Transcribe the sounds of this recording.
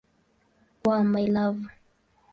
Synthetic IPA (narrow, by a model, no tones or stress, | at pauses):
wamajlavu